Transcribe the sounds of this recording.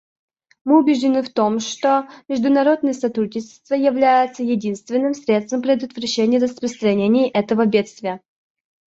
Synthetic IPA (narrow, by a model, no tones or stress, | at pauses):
mɨʊbʲɪʐdʲɪnɨft̪o̞mʂt̪omʲɪʐd̪ʊnɐɾo̞d̪̚nəjəsɐt̪ɾudʲnʲɪt͡ɕɪ̥st̪vəjɪvlʲæjɪt̪səjɪdʲinst̪vʲɪnːɨmsʲɾʲet̪st̪vəmpɾʲɪd̪ət̪vɾɐɕːenʲɪjərəspɾəst̪ɾɐnʲenʲɪjʔɛt̪əvəbʲe̞t̪st̪vʲɪjə